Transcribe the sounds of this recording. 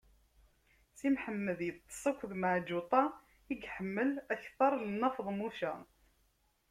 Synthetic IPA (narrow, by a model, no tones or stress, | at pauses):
simħəmːəðjət̪ˤːə̥sˤɑkʷːðmaʕd͡ʒut̪ˤɑ | iɡħəmːəlæçθɑɾˤlənːɑfðˤmuʃæ